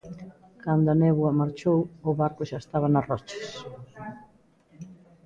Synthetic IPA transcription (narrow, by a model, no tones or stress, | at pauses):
kand̪ʊɐnɛβwɐmaɾt͡ʃowʊβaɾkʊʃaest̪aβ̞ɐnɐrɔt͡ʃe̥s